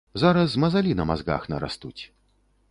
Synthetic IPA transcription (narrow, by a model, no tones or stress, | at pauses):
zaɾɐsmɐzalʲinɐmazɡa̰xnɐ̰ɾa̰st̪ut͡sʲ